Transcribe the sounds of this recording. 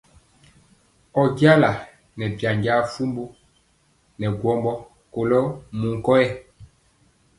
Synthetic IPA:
ɔ˨ɡja˦la˨ | nɛ˨bja˨ɲɡa˦fu˦mbu˦ | nɛ˨ɡwɔ˦mbɔ˦ | ko˨lɔ˦mu˨ŋ˨kɔ˦ɛ˦

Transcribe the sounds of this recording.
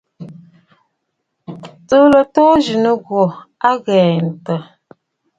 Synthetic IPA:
tə˦lə˨tɔ˦d͡ʒi˨nə˦ɡwɔ˨a˦ɣɛː˨n̩˨tə˨

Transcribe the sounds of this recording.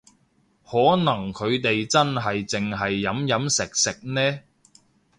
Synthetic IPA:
hɔː˨˥nɐ˨˩ŋkʰɵ˨˧ɥt̪e˨jt͡sɐ˥nɦɐ˨jt͡sɪ˨ŋɦɐ˨jːɐ˨˥mjɐ˨˥msɪ˨k̚sɪ˨k̚nɛː˥

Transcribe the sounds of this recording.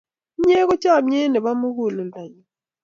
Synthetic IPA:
ɲe˦kɔ˦t͡ʃa˦˨m̩˦ɲɛ˦nɛ˨ɓa˦mu˦ku˦˨lu˨nda˨ɲi˨

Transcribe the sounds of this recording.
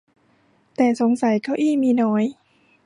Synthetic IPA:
t̪ɛː˨˩so˩˦ŋsa˨˦jkɔː˥˩wʔiː˥˩miː˧nɔː˦˥j

